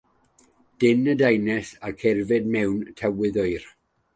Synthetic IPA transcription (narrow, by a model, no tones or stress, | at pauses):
d̥ɪnədajnɛsarkʰɛrvɨd̚mɛwntʰɛwɨðɔɨr